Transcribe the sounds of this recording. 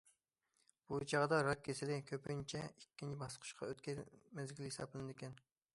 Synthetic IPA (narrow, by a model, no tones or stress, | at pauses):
b̥ut͡ʃʰɑʁd̪ɑɾɑk̪̚kʲʰesɪlɪkʲʰøpynt͡ʃʰɛikʲːint͡ʃʰibɑsqʰʊ̥ʃqʰɑ̰øt̪kʲɛmɛzɡʲilhesɑ̰plˠlɨnɨd̪ɪkʲɛn